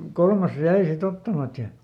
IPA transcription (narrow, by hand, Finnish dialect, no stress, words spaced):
kolmɑs jæi sit otːɑmɑt jɑ